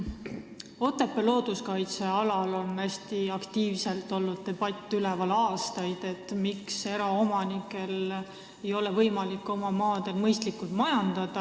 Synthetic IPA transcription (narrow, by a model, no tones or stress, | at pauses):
o̞t̪ːˑepːe̞lo̞ːd̪̥uskɑjt̪se̞ɑlɑlo̞næsʲt̪iɑkt̪iːvse̞lt̪ːˑo̞lːud̪̥̚t̪e̞b̥ɑt̪ʲːˑylɛvɑlɑːst̪ɑjd̪̥e̞t̪ːmikse̞ɾɑo̞mɑnikːˑe̞l | e̞jo̞levɤjmɑlikːˑo̞mɑmɑːd̪̥e̞lmɤjst̪likːˑult̪mɑjɑnd̪ɑd̪̥ɑ